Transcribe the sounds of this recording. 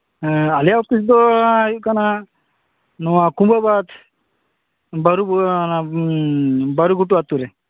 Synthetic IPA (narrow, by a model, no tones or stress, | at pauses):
aljaɔpis̬d̪ɔkana | nɔwakumbabat̪ʰ | baɾubna | baɾuɡuʈuat̪uɾɛ